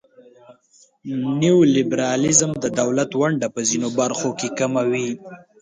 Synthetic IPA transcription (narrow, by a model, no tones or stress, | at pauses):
niwlɪbɾɑlɪzəmd̪əd̪awlat̪waɳɖapəzinobaɾxokekamawi